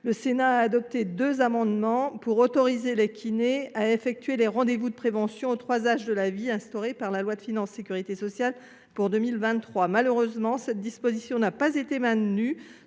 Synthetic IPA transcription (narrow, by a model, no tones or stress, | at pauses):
ləsenaːd̪ɔp̚t̪ed̪øzamɑ̃d̪mɑ̃puʁot̪ɔʁizelekʲʰineaefɛk̚t̪ɥeleʁɑ̃d̪evud̪əpχevɑ̃sjɔ̃ot̪χwazaʒd̪əlaviɛ̃st̪ɔʁepaʁlalwad̪əfinɑ̃sːekʲyʁit̪esɔsjal | puʁd̪ømilvɛ̃t̪t̪ːχwamaløʁøzmɑ̃sɛt̪̚d̪ispozisjɔ̃napazet̪emɛ̃t̪ny